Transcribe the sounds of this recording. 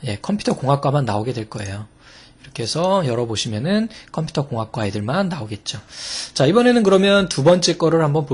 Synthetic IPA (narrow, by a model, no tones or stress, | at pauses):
je̞kʰʌmpʰu̥tʰʌkoŋɦak̚k͈wamanːaoɡe̞dweɭk͈ʌe̞̰jo | iɾʌkʰe̞sʰʌjʌɾʌboɕʰimjʌnɯnkʰʌmpʰu̥tʰʌkoŋɦak̚k͈waedɯɭmanːaoɡe̞t̚t͡ɕ͈ot͡ɕaibʌne̞nɯnkɯɾʌmjʌntubʌnt͡ɕ͈e̞k͈ʌɾɯɭhambʌnpo